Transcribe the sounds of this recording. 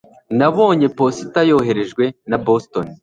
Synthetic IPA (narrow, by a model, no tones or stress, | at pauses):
naβo̞ːɲe̞po̞sitajo̞ɦe̞ɾe̞ʒɡwe̞nabostoni